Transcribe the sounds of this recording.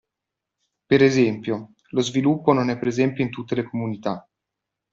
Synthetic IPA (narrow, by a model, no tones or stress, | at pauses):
peɾezɛmpjo | lozvilupːononɛpːɾezɛmpjoint̪ut̪ːelekomunit̪a